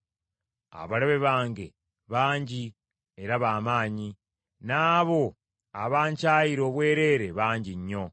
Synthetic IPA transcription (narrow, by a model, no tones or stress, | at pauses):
a̰βaleβeβaːŋɡe̞ | βaːɲɟi | eɾaβamaːɲi | naːβo̞ | aβaːɲcaːjiɾo̞βwe̞ːɾe̞ːɾe̞βaːɲɟiɲːo̞